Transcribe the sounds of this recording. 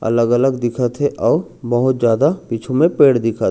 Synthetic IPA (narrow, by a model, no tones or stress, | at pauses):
ɐ̰ləɡələɡd̪ɪkʰat̪ʰɦeʔɔːɾ | bɐɦʊt̪d͡ʒjaːd̪apiːt͡ʃʰõmẽpeːɽd̪ɪkʰat̪ʰ